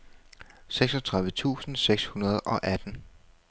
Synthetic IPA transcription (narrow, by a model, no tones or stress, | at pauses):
seɡ̥sɒ̽t͡sʰʁäðˠʋət͡sʰṵːsn̩seɡ̥shunɐð̞̩ˠɒ̽ʔæd̥n̩